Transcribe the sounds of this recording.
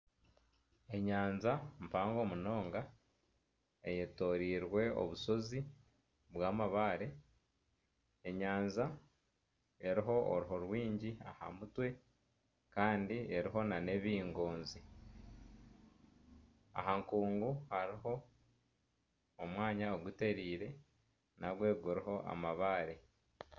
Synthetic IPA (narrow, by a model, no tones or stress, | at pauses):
e̞ɲaːnzampaːŋɡo̞muno̞ːŋɡa | ejeto̞ːɾiːɾwe̞o̰βuso̞zi | βwaːmaβaːɾe | eɲaːnza | e̞ɾiɦo̞o̰ɾuɦoɾwiːɲɟia̰ha̰mutwe̞ | kaːndie̞ɾiɦo̞nane̞βiːŋɡoːnzi | a̰ɦaŋkuːŋɡuhaɾiɦo̞ | mwaːɲaoɡute̞ɾiːɾe̞ | naɡwe̞ɡuɾiɦo̞ʔa̰maβaːɾe̞